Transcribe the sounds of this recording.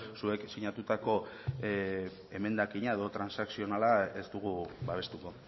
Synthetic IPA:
sue̞ksiɲat̪ut̪ako̞ | e̞me̞nd̪akiɲae̞ðo̞t̪ɾansaksio̞nalae̞zd̪uɣ̞uβaβe̞st̪uko̞

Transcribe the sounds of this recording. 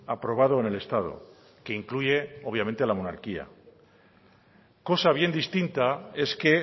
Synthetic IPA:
apɾo̞β̞að̞o̞ene̞le̞st̪að̞o̞̰ | keiŋkluʝe̞o̞βjamẽ̞nt̪ealamo̞na̰ɾkia̰ | ko̞saβje̞nd̪ist̪int̪ae̞ske̞

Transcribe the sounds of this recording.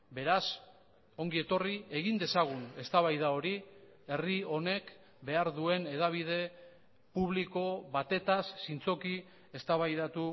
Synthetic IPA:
be̞ɾas | o̞ŋɡie̞t̪o̞rie̞ɣind̪e̞saɣ̞une̞st̪aβ̞ajðao̞ɾi | e̞rio̞ne̞k | be̞aɾðue̞ne̞ð̞aβ̞ið̞e̞ | puβliko̞βat̪e̞t̪asːint͡so̞ki | e̞st̪aβajðat̪u

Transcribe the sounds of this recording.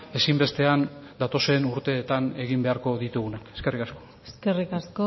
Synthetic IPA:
e̞simbe̞st̪e̞an | d̪at̪o̞se̞nuɾt̪e̞ːt̪ane̞ɣ̞imbe̞aɾko̞ðit̪uɣunake̞̥ske̞rikasko̞ | eskerikasko

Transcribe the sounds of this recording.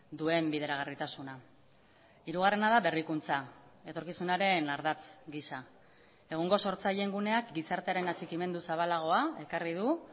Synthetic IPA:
d̪ue̞mbiðe̞ɾaɣ̞arit̪asuna | iɾuɣ̞are̞naðaβe̞rikunt͡sae̞t̪o̞ɾkisunaɾe̞naɾðat͡sɡisa | e̞ɣ̞oŋɡo̞so̞ɾt͡saʎe̞ŋɡune̞akɡisaɾt̪e̞aɾe̞nat͡ʃikime̞nd̪usaβ̞alaɣ̞o̞ae̞karið̞u

